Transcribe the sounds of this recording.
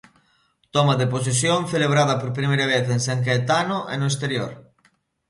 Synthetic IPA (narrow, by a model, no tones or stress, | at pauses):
t̪ɔmaðepos̬esjoŋθeleβ̞ɾaðɐpoɾp̬ɾimejɾɐβeθeŋsaŋk̬eet̪anoʔḛnoes̬t̪eɾjoɾ